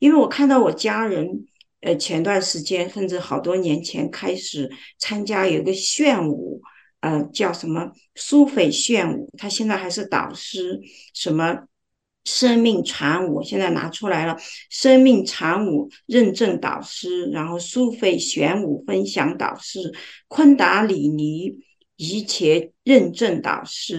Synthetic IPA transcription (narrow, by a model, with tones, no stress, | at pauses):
i˥nwe˥˩ɪwɔ˨˩kʰa˥˧nt̪ɑ˥˩ʊwɔ˨˩t͡ɕja˥ɻə˧˥n | ə˧˩t͡ɕʰjɛ˧˥nt̪wa˥˩nʂɻ̩˧˥t͡ɕjɛ˥nʂə˥˧nʈ͡ʂɻ̩˥˩xɑ˨˩ʊt̪wɔ˥njɛ˧˥nt͡ɕʰjɛ̰˧˥nkʰa˥ɪʂɻ̩˨˩˦t͡sʰa˥nt͡ɕja˥jo˨˩i˧˥ɡə˧ɕɥɛ˥˩nṵ˨˩˦ | ə˧t͡ɕjɑ˥˩ʊʂə˧˥nmə˧ | su˥fe˥˩ɪɕɥɛ˥˩nṵ˨˩˦t̪ʰa˥ɕjɛ˥˧nt͡sa˥˩ɪxa˧˥ɪʂɻ̩˥˩t̪ɑ̰˨˩ʊʂɻ̩˥ | ʂə˧˥nmə˧ | ʂə˥ŋmi˥˩ŋʈ͡ʂʰa˧˥nu˨˩ɕjɛ˥˧nt͡sa˥˩ɪna̰˧˥ʈ͡ʂʰu˥la˧˥ɪlə˧ʂə˥ŋmi˥˩ŋʈ͡ʂʰa˧˥nu˨˩ɻə˥˧nʈ͡ʂə˥˩ŋt̪ɑ̰˨˩ʊʂɻ̩˥ɻa˧˥nxo˥˩ʊsu˥fe˥˩ɪɕɥɛ˧˥nu˨˩fə˥nɕjɑ˧˥ŋt̪ɑ̰˨˩ʊʂɻ̩˥kʰwə˥nt̪a˧˥li˨˩ni˧˥ | i˧˥t͡ɕʰjɛ˧˥ɻə˥˧nʈ͡ʂə˥˩ŋt̪ɑ̰˨˩ʊʂɻ̩˥